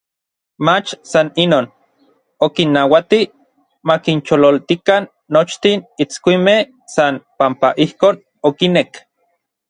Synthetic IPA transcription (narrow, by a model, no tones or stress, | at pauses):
mat͡ʃsaninoːn | okinːawat̪i | makint͡ʃololt̪ikanːot͡ʃt̪init͡skʷimeh | sanpampaʔihkoːn | okinek